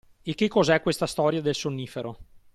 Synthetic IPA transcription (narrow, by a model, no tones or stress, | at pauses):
ekːekːozɛkːwest̪ast̪ɔɾjad̪elsonːiːfeɾo